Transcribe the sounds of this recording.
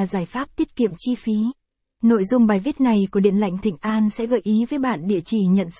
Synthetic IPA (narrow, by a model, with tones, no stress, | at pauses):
zaː˨˧˩jfaː˦˥p̚t̪i˦˥ət̚kḭ˧˨əmt͡ɕi˧fi˨˦ | no̰˧˨jzʊ˧ŋ͡mɓaː˨˩jvi˦˥t̚na˨˩jku˧˩əɗḭ˧˨ənla̰˧˨jŋ̟t̪ʰï˨˩ŋ̟ʔaː˧nsɛ̰˧˥ɣəː˧˨˩jʔi˨˦vəː˨˦jɓa̰ː˧˨nɗḭ˧˨ət͡ɕi˧˩ɲə̰˧˨ns